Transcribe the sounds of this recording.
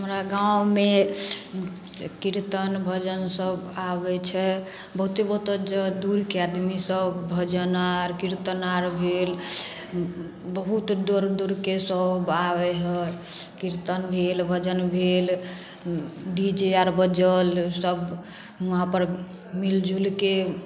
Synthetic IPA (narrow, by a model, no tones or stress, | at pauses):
ɦəmɾaɡawme | kiɾt̪ənbʱəd͡ʒənsəbabɛt͡ʃʰɛ | bəɦut̪ebəɦut̪əd͡ʒəd̪uɾkead̪misəbbʱəd͡ʒənaɾkiɾt̪ənaɾbʱel | bəɦut̪d̪oɾd̪uɾkesəbaʋɛɦəkiɾt̪ənbʱelbʱəd͡ʒənbʱel | ɖid͡ʒeaɾbəd͡ʒəlsəb | ɦãpəɾ | mild͡ʒʱulke